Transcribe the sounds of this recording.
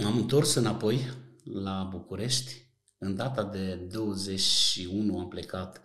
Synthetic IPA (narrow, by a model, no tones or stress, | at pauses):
amɨnt̪o̞rsɨnapo̞jlabukuɾe̞ʃt̪ʲ | ɨnd̪at̪ad̪e̞d̪o̞wəze̞t͡ʃʲʃiunuample̞kat̪